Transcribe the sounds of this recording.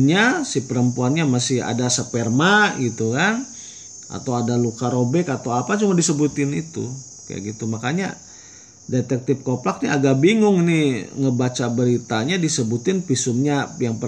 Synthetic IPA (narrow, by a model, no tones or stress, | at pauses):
ɲasihpəɾəmpuanɲamasɪha̰dasəpɛrmaɡit̪ukan | ʔa̰t̪awadalukaɾobɛkat̪awapat͡ʃumadisəbut̪ɪnḭt̪ṵ | kaja̰ʔɡit̪umakaɲa̰ | det̪ɛk̚t̪ɪp̚koplak̚niaɡaʔbiŋʊŋniŋəbat͡ʃabəɾit̪aɲadisəbut̪ɪnpisʊmɲajaŋpə